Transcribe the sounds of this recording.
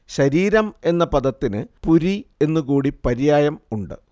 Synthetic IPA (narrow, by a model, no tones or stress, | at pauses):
ɕɐɾiːɾɐme̞nːɐpɐd̪ɐt̪ːinɨpuɾie̞nːukuːɽipɐɾijaːjɐmuɳɖɨ̰